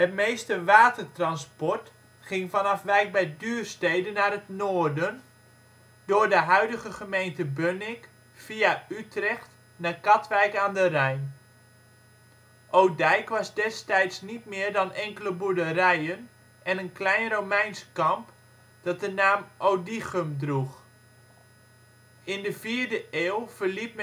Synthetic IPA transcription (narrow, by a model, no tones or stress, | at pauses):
hətmejstəʋaːtərtrɑnspɔrt | χɪŋfanɑfʋɛjk̚bɛjdyːrstejdənːaːrətnoːrdən | dʊːrdəɦœɥdəɣəχəmejntəbønɪk | fiaytrɛxt | nakɑtʋɛjkaːndərɛjn | ʔowdɛjkʋɑzdɛstɛjtsnitmɪːrdɑnɛŋkələbuɹdərɛjən | ʔɛnənklɛjnromɛjnsə̥kɑmp | d̥ɑt̚dənaːmʔowdixəmdrux | ɪndəviːɹdəʔeːlˠv̥ərlip̚m